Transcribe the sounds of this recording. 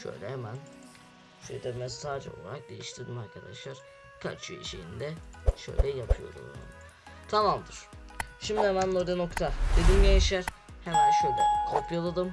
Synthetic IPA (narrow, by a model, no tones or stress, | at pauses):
ʃø̰jlʲɛhemæn | ʃḛjd̪ɛmɛsaːd͡ʒo̰lˠa̰ɾak̚d̪e̞jḭʃt̪ʰiɾd̪imaɾkʰad̪a̰ʃlˠaɾ̥ | kʰa̰t͡ʃyjɛ̰ʃḛjind̪ɛʃø̞̰jlʲɛjapʰɯjo̞̰ɾd̪ṵm̰na̰ | t̪ʰamamd̪ɯɾ̥ʃimd̪ihemænloɾd̪eno̞kt̪ʰad̪ed̪imjajiʃæɾ | hɛmænʃøjlʲɛkʰoɾpʰjalˠad̪ɯm